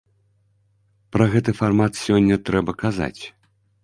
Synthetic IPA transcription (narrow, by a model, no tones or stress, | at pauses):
pɾɐɣɛt̪ɨfarmat̪sʲɔnʲːɐt̪ɾɛbɐkaza̰t͡sʲ